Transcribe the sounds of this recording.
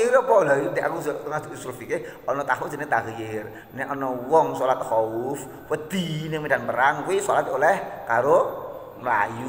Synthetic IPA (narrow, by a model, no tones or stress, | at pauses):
iɾɔpɔlajud̪ea̰kust̪əŋasulfike | ɔnɔt̪ahwɔ̥d͡ʒ̥ə̤net̪akəjɪr | nɛʔɔnɔwɔŋsɔlat̪hɔʊf | wəd̪̥i̤nɪŋmida̤npəɾaŋkwisɔlat̪olɛhkaɾo | məla̰ju